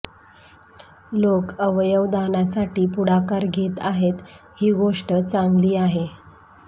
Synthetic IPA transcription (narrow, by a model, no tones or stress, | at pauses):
lokəʋjəʋd̪anasaʈiːpuɽakaɾɡʱet̪aɦet̪ | hiːɡoʂʈət͡saŋɡliːaɦe